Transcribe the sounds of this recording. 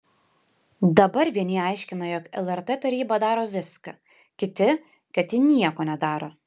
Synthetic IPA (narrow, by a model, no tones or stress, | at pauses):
d̪ɐbɐɾʋʲiɛnʲɪɐɪʃʲkʲɪnojɔkɛlˠɛɾt̪ɛt̪ɐɾʲiːbɐd̪ɑːɾoːʋʲɪskɐ | kʲɪt̪ʲɪ | kɐt̪ʲɪnʲiɛkoːnʲɛd̪ɑːɾoː